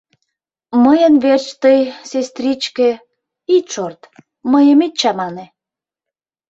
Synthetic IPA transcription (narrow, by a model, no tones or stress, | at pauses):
məjənβert͡ɕt̪əjsest̪rʲit͡ɕkĕ | it̪ʃort̪ | məjəmit̪̚t͡ɕɑmɑne